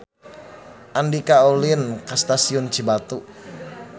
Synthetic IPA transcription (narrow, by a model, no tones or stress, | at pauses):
ʔandikaoliənkast̪asiʊnt͡ʃibat̪u